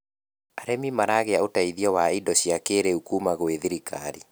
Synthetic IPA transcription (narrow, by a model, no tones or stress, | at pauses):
aɾemimaɾaɣeaotaiðiɔwaidɔɕiakeːɾeukuːmaɣweðiɾikaɾi